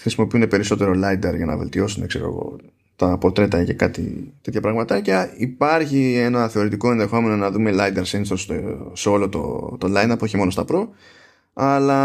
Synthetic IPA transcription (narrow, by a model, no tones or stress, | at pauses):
xɾisimo̞piund̪e̞pe̞ɾiso̞t̪e̞ɾo̞lɐjd̪ɐɾʝɐnɐ̰ve̞̰lt̪io̞sund̪e̞kseɾo̞̰ɣo̞̰ | t̪ɐpo̞ɾt̪ɾe̞t̪ɐce̞kɐt̪ḭt̪e̞t̪çɐpɾɐɣmɐt̪ɐcɐipɐɾçie̞nɐθe̞o̞ɾit̪iko̞e̞nðe̞xo̞me̞nonɐðume̞lɐjd̪ɐɾsenst̪ost̪oseo̞lo̞t̪o̰t̪olɐjnɐpoçimo̞no̞st̪ɐpɾo̞ | ɐlɐ